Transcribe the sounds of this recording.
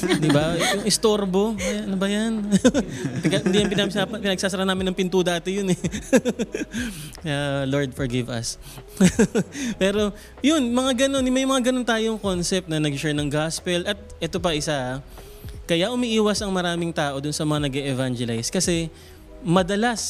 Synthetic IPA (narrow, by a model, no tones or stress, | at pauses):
d̪ɪbajʊŋɪst̪oɾbo̞ɐnobɐjan | kɐhɪnd̪ijɐmpɪnamɪaɐpɪnɐɡ̚saːsɐɾanaːmɪnɐŋpɪnt̪uːd̪aːt̪ɪjʊnɛ | ɐloɹd̪fɔɹɡɪvɐ̰s | pɛːɾo̞ | jʊnmɐŋaɡɐno̞nɪmɐjmɐŋaɡɐno̞nt̪aːjoŋko̞nsɛp̚t̪̚nɐnɐɡt͡ʃɛɹnɐŋɡaspɛlʔɐt̪̚ʔɛt̪op̬ɐʔɪsa | kɐjaʔʊmiʔiːwɐsɐŋmɐɾaːmɪŋt̪aːʔo̞d̪ʊnsɐmɐŋanɐɡɛʔɛvand͡ʒɛlajskɐsɛ | mɐd̪ɐlas